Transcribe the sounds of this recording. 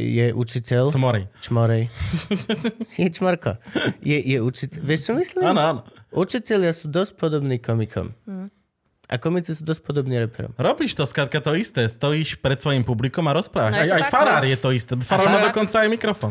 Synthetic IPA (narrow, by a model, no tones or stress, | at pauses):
jɛʔṵt͡ʃitɛlsmɔɾɛjt͡ʃmɔɾɛj | jɛt͡ʃmaɾkɔ̰jɛjɛut͡ʃitɛʋɛʃt͡ʃɔmisliannɔanɔʔut͡ʃitɛʎɪasuːd̪ɔsc̚pɔd̪ɔbniːkɔmikʰɔ̰m | ʔa̰kɔmit͡sisuːd̪ɔsc̚ʲpɔd̪ɔbniːɾɛpɛɾɔ̰mɾɔbiʃt̪ɔskɾat̪̚kat̪ɔist̪ɛst̪ɔjiʃpɾɛt̪sfɔjimpublʲikɔmaɾɔspɾavaajajfaɾaɾjɛt̪ɔist̪ɛbɔfaɾaɾmad̪ɔkɔnt̪saajmʲikɾɔfɔn